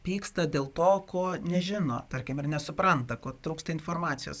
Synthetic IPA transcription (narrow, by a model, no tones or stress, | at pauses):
pʲiːkst̪ɐd̪ʲeːlˠt̪oːkʰoːnʲɛʒʲɪno̰ːt̪ɐɾʲkʲɪmɪɾnʲɛsʊpɾɐnt̪ɐkoːt̪ɾuːkst̪ɐɪnfoːrmɑːt̪sʲɪjo̰ːs